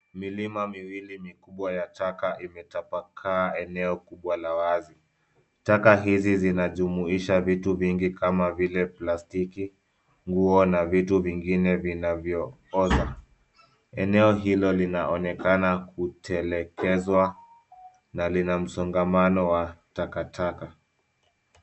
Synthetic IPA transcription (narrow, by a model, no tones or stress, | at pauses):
milimamiwilimikuɓwajatakaʔimɛtapakʰaːɛnɛɔkuɓwalawazi | takaɦizizinaʄumuiʃavituviŋɡikamavilɛplastiki | ŋɡuɔnavituviŋɡinɛvinavjɔ | ɔza | ɛnɛɔɦilɔlinaʔɔnɛkanakutʰɛlɛkʰɛzwa | nalinam̩sɔŋɡamanɔwatakatʰaka